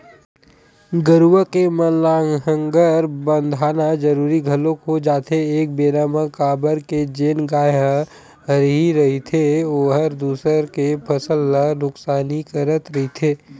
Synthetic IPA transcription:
ɡəɾuwəkemənlaːŋɦə̃ŋɡəɾbə̃nd̪ʱaːnad͡ʒəɾuːɾiɡʱəlõkod͡ʒaːt̪ʰeeːk̚beːɾaːməkaːbəɾked͡ʒeːnɡaːj | əɾɦiɾɐɦit̪ʰeoːɦəɾd̪uːsəɾkepʰəsəlːanʊksaːnikəɾət̪ɾɐɦit̪ʰeː

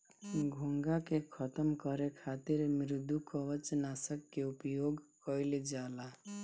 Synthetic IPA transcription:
ɡʱuŋɡakekʰət̪əmkəɾekʰat̪iɾmɪɾd̪ʱukɔʋət͡ʃnasəkːeupjoɡkʌɪled͡ʒala

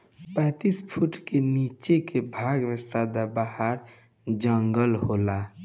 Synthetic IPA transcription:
pɛ̃ːt̪ispʰuʈkenit͡ʃekebʱaɡmesad̪abaɦəɾ | d͡ʒəŋɡəlɦola

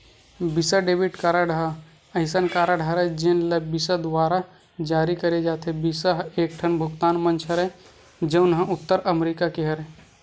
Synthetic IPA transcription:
bɪsaɖeːbɪʈkaːɾaɽ | ɐɪsənkaːɾaɽʱɦəɾɛd͡ʒɪnlɐbɪsad̪waːɾa | d͡ʒaːɾikɐɾed͡ʒaːt̪ẽbɪsaɦeːk̚ʈʰənbʱʊɡt̪aːnmə̃nt͡ʃʰɦəɾɛ | d͡ʒɐʊnɦə̃ʊt̪ːəɾɐmɾiːkakeɦɐɾɛ

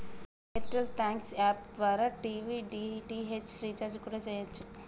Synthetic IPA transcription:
eʈɾəlt̪ʰɛ̃ŋksɛpd̪waɾaʈiʋiɖiʈiɦet͡ʃɾit͡ʃaɾd͡ʒkɔɾed͡ʒajat͡ʃʰe

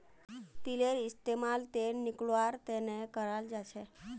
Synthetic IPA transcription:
t̪ileɾɪst̪emalt̪enikɭʋaɾt̪enekəɾald͡ʒat͡ʃʰe

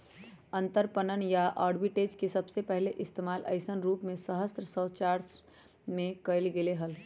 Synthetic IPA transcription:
ə̃nt̪əɾpənənjaʔaːɖbiʈed͡ʒkesəbsepəɦleʔɪst̪emaːlə̰ɪsənɾuːpmẽsəɦəst̪ɾəsət͡ʃaːɾs | mẽkəɪlɡeleɦəl

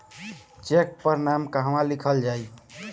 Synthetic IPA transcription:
t͡ʃek̚pəɾnamkəɦəmãlikʰəld͡ʒaj

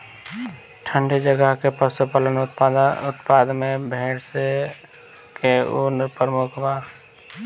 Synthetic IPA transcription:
ʈʰə̃ɳɖid͡ʒəɡəɦkepəsupələnʊʊt̪paːd̪mẽbʱeːɽse | keunɾpəɾmʊkʰba

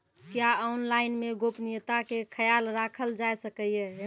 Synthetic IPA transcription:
kjaɔnlainmeɡopnijət̪akekʰəjalɾakʰəld͡ʒaesəkəje

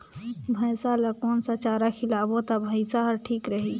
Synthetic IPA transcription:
bʱəjsaləkoːnsat͡ʃaːɾakʰɪlaːbot̪abʱəɪsaɦəɾʈʰiːkɾəɦi

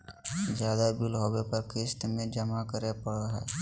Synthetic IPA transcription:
d͡ʒjaːd̪abɪlɦoepɐɾkeːsʈ̪mẽd͡ʒɐmakəɾepəɽɾaɦɛ̰

